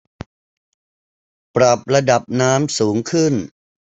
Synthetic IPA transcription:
pɾa˨˩p̚ɾa˧da˨˩p̚naː˦˥msuː˩˦ŋkʰɯ˥˩n

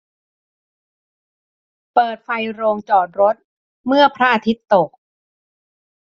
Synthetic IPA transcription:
pɤː˨˩t̪̚fa˧jɾoː˧ŋt͡ɕɔː˨˩t̪̚ɾo˦˥t̪̚ | mɯ˥˩ɐpʰɾa˦˥ʔa˧t̪ʰi˦˥t̪ːo˨˩k̚

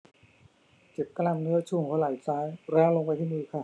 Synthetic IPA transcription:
t͡ɕe˨˩t̪̚ka˧la˧mnɯ˦˥ɐt͡ɕʰuː˧˩˨ŋkʰo˧˥laː˨˩jsaː˦˥jɾaː˦˥loː˧ŋpa˧jt̪ʰiː˥˩mɯː˧˩kʰa˥˩

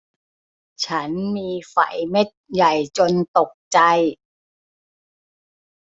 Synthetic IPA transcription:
t͡ɕʰa˦˥nmiː˧fa̰˩˦jme˦˥t̪̚ja˨˩jt͡ɕo˧nt̪o˨˩k̚t͡ɕa˧j

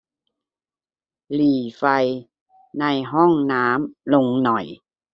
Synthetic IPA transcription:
liː˨˩fa˧j | na˧jɦɔ˥˩ŋnaː˦˥mlo˧ŋnɔ˨˩j

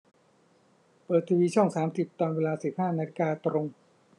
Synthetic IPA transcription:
pɤː˨˩t̪ʰːiː˧wiː˧t͡ɕʰɔ˥˩ŋsaː˩˦msi˨˩p̚t̪ɔː˧nweː˧laː˧si˨˩p̚haː˥˩naː˧li˦kaː˧t̪ɾo˧ŋ

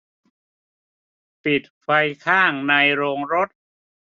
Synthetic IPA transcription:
pi˨˩t̪̚fa˧jkʰaː˥˩ŋna˧jɾoː˧ŋɾo˦˥t̪̚

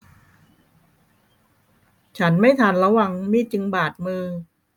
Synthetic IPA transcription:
t͡ɕʰa˦˥nma˥˩jt̪ʰaː˧nɾa˧wa˧ŋmiː˧˥˩t͡ɕɯ˧ŋbaː˨˩t̪̚mɯː˧

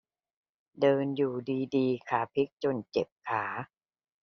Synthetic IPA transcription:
dɤː˧njuː˨˩diː˧diː˧kʰaː˩˦pʰi˦˥k̚t͡ɕo˧nt͡ɕe˨˩p̚kʰaː˩˦

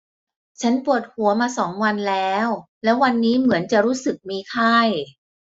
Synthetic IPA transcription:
t͡ɕʰa˦˥npu˨˩ət̪̚hu˩˦ɐmaː˧sɔː˩˦ŋwa˧nlɛː˦˥w | lɛː˦˥wa˧nːiː˦˥mɯ˩˦ənt͡ɕa˨˩ɾuː˦˥sɯ˨˩k̚miː˧kʰa˥˩j

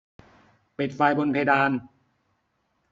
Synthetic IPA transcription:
pi˨˩t̪̚faː˧jbo˧npʰe˧jdaː˧n

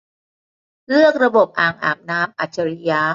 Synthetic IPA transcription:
lɯ˥˩ək̚ɾa˧bo˨˩p̚ʔaː˨˩ŋʔa̰ː˨˩mnaː˦˥mʔa˨˩t͡ɕʰa˧ɾi˦˧jaː˦˥

